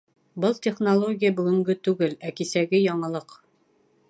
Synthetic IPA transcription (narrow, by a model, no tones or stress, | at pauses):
bɤlˠt̪ʲeχnolˠoɡʲijabʉɡɵ̆ŋɡɵt̪ʉɡɘlækisæɡɘjɒɴɑ̆lˠɤq